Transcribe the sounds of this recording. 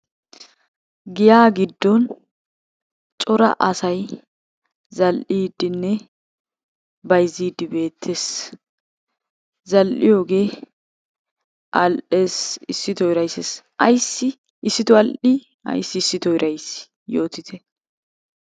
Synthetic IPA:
ɡɪjaːɡɪd̪ːɔn | t͡ʃʼɔɾɐ̰ʔɐsɐj | zɐlʔiːd̪ɪnːɛ | bɐjziːd̪ɪbe̞ːt̪ʰːeːs | zɐlʔɪ̰jo̞ːɡe̞ː | ʔɐlʔe̞ːsɪsːɪt̪ɔɪɾɐjsesʔɐjsːɪ | ɪsːɪt̪ʊɐlʔi | ɐ̰jsːɪːsːɪt̪ɔjɾʔɐjs | joːt̪ɪt̪ʰɛ

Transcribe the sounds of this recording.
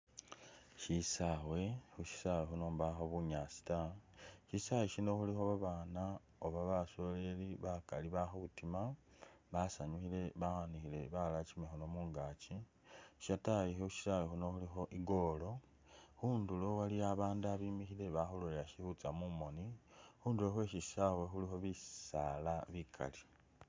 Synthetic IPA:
ʃisawe̞xuʃi̥sawexunoːmβaxoβuɲaːsi̥taʃisaweʃino̞xulixo̞βaβaːna | oβaβaso̞leliβakaliβaxoβutima | βasaɲuxile̞βaxanixile̞βalat͡ʃimexono̞muːŋɡaːt͡ʃi | ʃatajixouʃi̥sajixuno̞xulixo̞ʔiɡo̞ːlo̞ | xuːndulo̞waliaβaːnduaβiːmixile̞βaxoloejaʃihut͡samumo̞nixuːnduloxwe̞ʃisawexulixo̞βisalaβikʰa̰li

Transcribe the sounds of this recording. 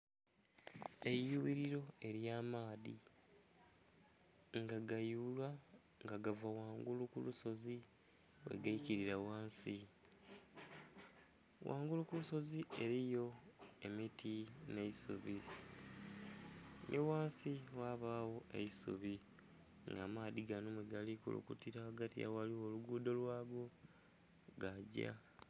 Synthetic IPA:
e̞juβiɾiɾo̞e̞ɾjaːmaːðḭ | ŋɡaɡajulwa | ŋɡaɡavawaːŋɡulukuluso̞zi | we̞̰ɡaiciɾiɾawaːnsi | wʔa̰ːŋɡulukuluso̞zieɾijo̞e̞mitʰine̞isṵβi | nʔiwaːnsiwaβawo̞eisuβi | ŋɡamaːðiɡanomweɡalikṵlṵkutiɾawaɡatija̰waliwoluɡuːdo̞lwaːɡo̞ | ɡaɟa̰

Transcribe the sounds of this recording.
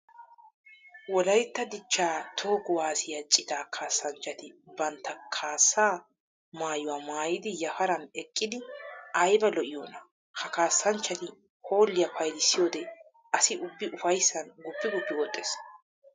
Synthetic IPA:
wɔlɐjt̪ːɐd̪ɪt͡ʃːaːt̪ʰo̞ːɡʊwaːsɪjɐt͡ʃʼːɪt̪aːkʰaːsːɐnt͡ʃːɐt̪ɪbɐnt̪ːɐkʰaːsːaː | maːjʊwaːmaːjɪd̪ɪjɐfɐɾɐnɛkʼːɪd̪ɪʔɐjbɐlɔʔɪjoːnɐ | hɐkaːsːɐnt͡ʃːɐt̪ɪ | ho̞ːlːɪjɐfɐjlɪsːɪjo̞ːd̪ɛ | ʔɐsɪʔʊbːɪʔʊfɐjsːɐnɡʊpːɪɡʊpːɪwɔt̪ʼːeːs

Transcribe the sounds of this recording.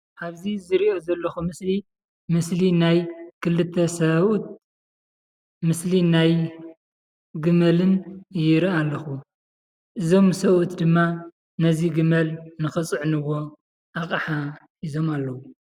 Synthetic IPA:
ʔaβzizɨɾiʔo̞zɐlːɐxumɨsli | mɨslinajkʰɨlːɨt̪ʰːɐsɐβut̪̚ | mɨslinaj | ɡɨmɐlɨnjɪɾɨalːɐxu | ʔɨzo̞msɐβut̪d̪ɨmːa | nɐziɡɨmɐlnɨxɨt͡sʼɨʕnɨwo̞ | ʔakʼɐħa | ʔizo̞malːɐwu

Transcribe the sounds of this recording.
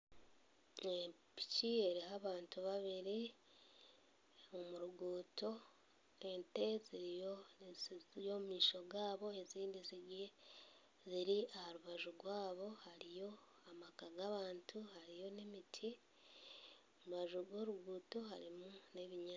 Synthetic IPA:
epi̥cie̞ɾiɦaβaːntuβaβiɾi | omuɾuɡuːto̞ | ente̞ziɾijozjo̞mumiːʃo̞ɡaːβo̞e̞ziːndiziɡe | ziɾiahaɾuβaʒuɡwaːβo̞haɾijo̞ | amakaɡaβaːntʰuhaɾijo̞nemitʰi | omuβaʒuɡwo̞ːɾuɡuːto̞haɾimune̞βiɲa

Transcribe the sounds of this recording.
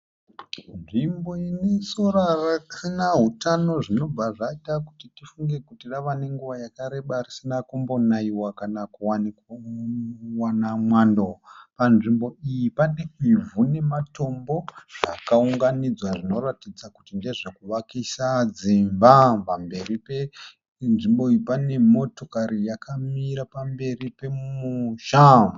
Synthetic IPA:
nʐimbo̞inesoɾarakʰanaɦutano̞ʐino̞baʐaitaku̥titifuŋɡe̞kutiɗaʋane̞ŋɡuʋajakaɾe̞ɓarisinakumbo̞naiwakanakuwanik | wanamwandopanʐimbo̞ijipandeivune̞mato̞mbo̞ʐakauŋɡanid͡zwaʐino̞ratid͡zakutinde̞ʐakuʋakisad͡zimbapambe̞ripe | nʐimbo̞iipane̞mo̞to̞kaɾijakʰamiɾapambe̞ripe̞muʃamu

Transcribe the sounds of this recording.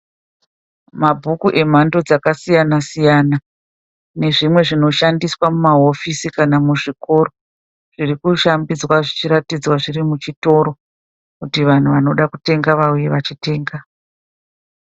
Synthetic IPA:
mabʱukuʔe̞m̤ando̞d͡zakasijanasijana | ne̞ʐimwe̞ʐino̞ʃandiswamumaɦo̞fisikanamuʐiko̞ɾo̞ | ʐ̥irikuʃambid͡zwaʐit͡ʃiɾatid͡zwaʐiɾimut͡ʃito̞ɾo̞ | kutiʋan̤uʋano̞ɗakute̞ŋɡaʋauje̞ʋat͡ʃite̞ːŋɡa

